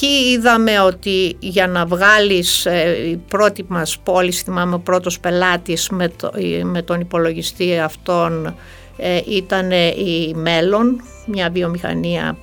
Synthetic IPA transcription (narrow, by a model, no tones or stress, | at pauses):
ciiðɐme̞o̞t̪iʝɐnɐvɣɐlisipɾo̞t̪imɐspolisθimɐmeopɾo̞t̪o̞spe̞lɐt̪ismeme̞t̪o̞nipo̞lo̞ʝist̪iɐft̪o̞n | eʔit̪ɐne̞ime̞lo̞n | mɲɐvio̞mixɐ̰niɐ̰